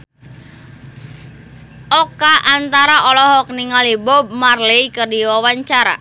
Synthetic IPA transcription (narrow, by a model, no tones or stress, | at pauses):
ʔɔkaʔant̪aɾaʔɔlɔɦɔk̚niŋalibɔb̚marlejkərdiwawaɲt͡ʃaɾa̰